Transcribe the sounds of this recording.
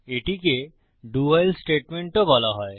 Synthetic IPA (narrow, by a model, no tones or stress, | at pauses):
eʈike | ɖuajlsʈeʈmeɳʈobɔlaɦɔe